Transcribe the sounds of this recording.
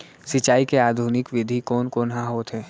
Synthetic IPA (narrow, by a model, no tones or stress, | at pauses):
sɪt͡ʃaːikeaːd̪ʱunɪkʋɪd̪ʱikoːnkoːnɦãɦoːt̪ɦɛː